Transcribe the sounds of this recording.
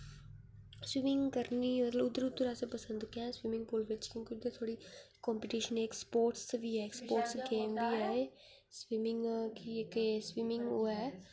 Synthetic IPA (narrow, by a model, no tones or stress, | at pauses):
swɪmɪ̃ŋɡkəɾniːmət̪ləbʊd̪ːəɾʊd̪ːəɾaːsepəsə̃nd̪kjãːswɪmɪ̃ŋɡ̚pʊlʋɪt͡ʃkjõːkiʊd̪əɾt̪ʰoːɽiːkɔ̃ːmpɪʈiːʃəneːkspoːɾʈsʋiːɦɛːkspoːɾʈsɡeːmʋiːɛː | swɪmɪ̃ŋɡkiekeswɪmɪ̃ŋɡoːɛː